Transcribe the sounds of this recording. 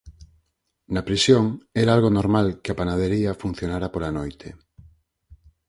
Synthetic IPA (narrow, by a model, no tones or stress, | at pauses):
napɾisjoŋɛɾaalɣonoɾmalkeapanað̞eɾiɐfun̟θjonaɾapolanojt̪ʰe